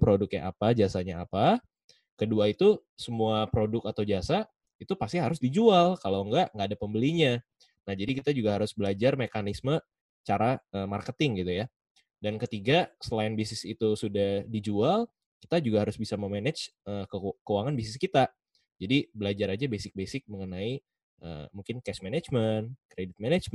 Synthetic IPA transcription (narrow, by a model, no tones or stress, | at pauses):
pɾodʊk̚ɲa̰ʔapad͡ʒasaɲaapa | kəduait̪u | səmuapɾodʊkat̪awd͡ʒasa | it̪upast̪iɦaɾʊsdid͡ʒualkaloəŋɡaʔŋɡaːdapəmbəliɲa | nahd͡ʒadikit̪ad͡ʒuɡaɦaɾʊsbəlad͡ʒarmekanismə | t͡ʃaɾaəːmarkət̪ɪŋɡit̪uja | dankət̪iɡasəlaɪnbisɪsit̪usudahhdid͡ʒual | ki̥t̪ad͡ʒuɡahaɾʊsbisaməmenɛt͡ʃəkəkəwaŋanbis̬ɪskit̪a | d͡ʒadibəlad͡ʒaɾad͡ʒabesɪk̚besɪk̚məŋənai | ʔə̰muŋkɪnkɛsmened͡ʒmənkɾedɪt̪̚menɛd͡ʒm